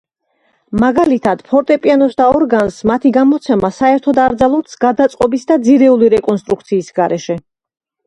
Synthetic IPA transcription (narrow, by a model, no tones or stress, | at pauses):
maɡalit̪ʰad̪̥pʰɔɾt̪ʼɛpʼianɔsd̪aɔɾɡansmat̪ʰiɡamɔt̪sʰɛmasaɛɾt̪ʰɔd̪aɾd̪zalˠɔsɡad̪at̪sʼqʼɔbisd̪ad̪ziɾɛuliɾɛkʼɔnst̪ʼɾuk̚ʰt̪sʰiːsɡaɾʔɛʃɛ